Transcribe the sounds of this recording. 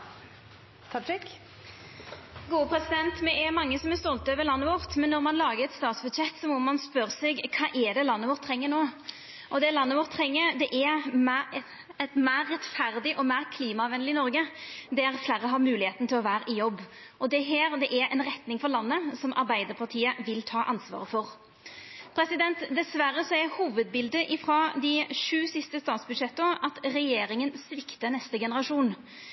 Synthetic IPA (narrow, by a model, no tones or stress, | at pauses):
t̪ʰ | ɡuːəpʰɾɛsɪd̪ɛnt̪mɛʔæɾmɑŋːəsɔmɛst̪ɔlt̪øːʋəlɑnːəʋɔʁt̪mɛnːɔʁmɑnlɑːɡəɾɛt̪st̪ɑːt̪sbʉd̪sɛt̪ːsɔmɔmɑnspøɾsɛɡkʰɑːʔɛd̪ɛlɑnːəʋɔʁt̪ʰːɾɛŋːənoː | ʔɔd̪ɛlɑnːəʋɔʁt̪ʰːʁɾɛŋːəɾd̪ɛʔæmæ | ɛt̪mæːɾːɛt̪fæɾd̪ɪʔɔmæːʁkʰliːmɑɑʋɛnlɪnɔɾɡəd̪ɛɾflæːɾəɦɑɾmʉːlɪheːt̪n̩t̪ʰɪlɔʋæːɾəɪjɔbː | ʔɔd̪ɛɦeːɾd̪ɛʔæɾʔɛnʁɛt̪nɪŋfɔɾlɑnːəsɔmʔɑɾbæɪd̪əɾpʰɑʁt̪ʰiːəʋɪlt̪ʰɑːʔɑnsʋɑ̰ːʁəfɔʁ | pʰɾɛsɪd̪ɛnt̪d̪ɛsʋæɾːəsɔæhuːʋəd̪̚bɪld̪əʔɪfɾɑːd̪ɪʂʉːsɪst̪əst̪ɑːt̪sbʉd̪ʂɛt̪ːəɑt̪ɾɛjeːɾɪŋənsʋɪkt̪ənɛst̪əɡɛnəɾɑʂuːn